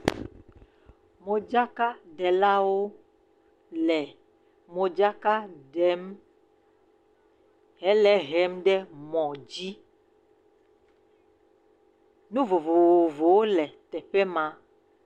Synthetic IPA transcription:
mo˨d͡ʒa˦ka˦ɖɛ˨la˦wo˦ | lɛ˨ | mo˨d͡ʒa˦ka˦ɖɛ˨m | ɦɛ˨˦lɛ˦ɦɛ˦mɖɛ˦mɔ̃˨d͡ʒi˦ | nũ˦vo˨vo˨wo˨vo˨wo˦lɛ˨t̪ɛ˨ɸɛ˦mã˨

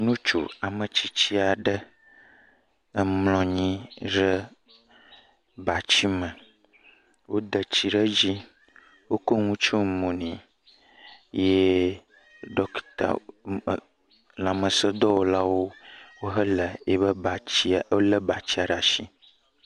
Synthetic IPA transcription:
nũ˦t͡ʃṵ˨a˨mə̃˨t͡ɕi˦t͡ɕi˦a˨ɖə˦ | ə˦mlɔ̃˨ɲĩ˦ɾə˦ | ba˨t͡ɕi˦mə˨ | wo˦d̪ə˨t͡ɕi˨ɖə˦d͡ʑi˦ | wo˦ko˦ŋũ˦t͡ʃo˦mõ˨nĩ˨ | je˦ | ɖɔ˦kt̪a̰˨ | la˨mə̃˨sə˦d̪ɔ˦wo˦la˦wo˦wo˦ɦə˦lə˨e˦βə˦a˨i˦˨o˦lə˦ba˨t͡ɕi˦a˨ɖa˨ʃi˦

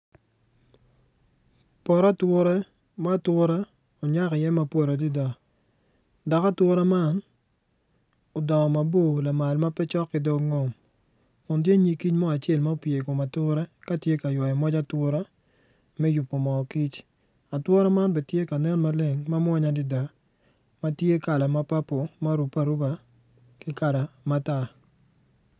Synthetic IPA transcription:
pɔ˨ɾa˦twʊ˦ɾɛ˦ | ma˦twʊ˦ɾa˦ | o˨ɲa˦kɪ˨jɛ˦ma˦po˦ɾa˨di˦da˨ | da˨ka˦twʊ˦ɾa˦ma˦n | o˨dɔ˨ma˨bo˦˨la˨ma˨lma˦pɛ˦t͡ʃɔ˦kːɪ˨do˦kŋo˨m | kʊ˨nt̬je˦ɲi˨ki˦t͡ʃmɔ˦a˨t͡ʃe˦˨lma˦o˦pje˨ko˨ma˨tʊ˦ɾɛ˦ka˦tje˦ka˨jɔ˨i˨mɔ˦d͡ʒa˦twʊ˦ɾa˦ | mɛ˦ju˨pːo˨mɔ˨ki˦t͡ʃ | a˨two˦ɾa˦ma˦nbɛ˨tje˦ka˨nɛ˦n˦ma˦le˦˨ŋma˦m˦ɔ˦ɲa˦dɪ˨da˨ | ma˦tje˦ka˨la˨ma˦pa˦po˨ma˦ɾu˨pa˨ɾu˦ba˨ | kɪ˦ka˨ɾa˨ma˦ta˦˨

